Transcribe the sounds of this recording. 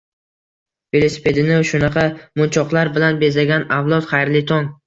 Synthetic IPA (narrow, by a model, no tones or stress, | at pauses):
ve̞lˠosɪ̥pʰe̞d̪ɪnɪʃʊnɑqʰɑmʊnt͡ʃʰɒqlˠaɾbɪlanbe̞zaɡʲanawlˠɒt̪χɑjɾlɪt̪ʰɒŋ